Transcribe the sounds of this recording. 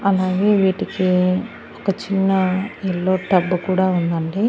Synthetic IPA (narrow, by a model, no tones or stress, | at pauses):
ɐlaːɡe̞ːʋiːʈiki | ɔkɐt͡ʃinːɐɛlːo̞ːʈɐbːukuːɽaːund̪ɐɳɖi